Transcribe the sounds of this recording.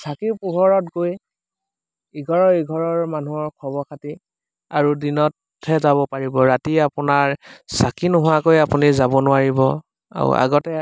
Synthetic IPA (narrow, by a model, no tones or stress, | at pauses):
sakiɹpʊɦɔɹɔtɡoj | iɡʱɔɹɔiɡʱɔɹɔɹmanuɔɹkʰɔbɔkʰati | aɹudinɔt | ɛzabɔpaɹibɔɹatiapʊnaɹsakinɔɦʊwakojapunizabɔnʊwaɹibɔ | a̰ɹ̰a̰ɡɔtɛ